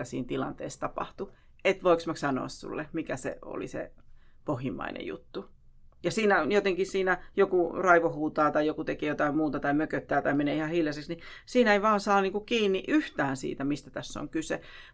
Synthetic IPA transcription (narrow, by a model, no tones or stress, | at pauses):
æsḭːnt̪ilɑnt̪ḛːst̪ɑpɑ̰ht̪u | et̪ʋoiksmɑksɑno̰ɑssṵlːemikæsḛo̰lḭsḛ | pohjimːˑɑ̰inḛjṵt̪ːu | jɑsiːnæonjot̪eŋkissiːnæjokurɑiʋohuːt̪ɑːt̪ɑijjokut̪ekiːjot̪ɑimmuːt̪ɑt̪ɑimøkøt̪ːæːt̪ɑimeneːihɑhiljɑseksnisiːnæeiʋɑːnsɑːniːŋkukiːnːiʔyht̪æːnsḭːt̪æmist̪æt̪æsːo̰ŋkysḛ